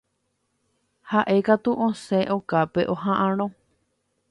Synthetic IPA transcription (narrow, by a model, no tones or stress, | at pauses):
haʔe̞kat̪uʔõseʔokapeʔo̞ɦãʔãɾ̃õ